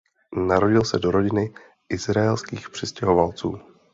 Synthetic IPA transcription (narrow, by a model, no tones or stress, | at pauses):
naɾo̞ɟɪlsɛdo̞ɾo̞ɟɪnɪ | ʔɪzɾaɛlskiːxpr̝̥ɪscɛɦo̞valt͡sṵː